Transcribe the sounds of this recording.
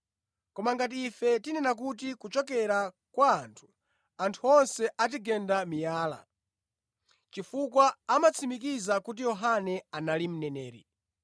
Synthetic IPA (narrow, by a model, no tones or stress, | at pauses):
kɔmaŋɡat̬iːfɛtinɛnak̬ut̬ikut͡ʃɔkɛɾa | kwaːntʰu̥ | antʰuɔnsɛʔat̬iɡɛndamijaːla̰ | t͡ʃifukwaːmat͡sʰimikizakut̬ijɔɦanɛanalim̩nɛnɛːɾḭ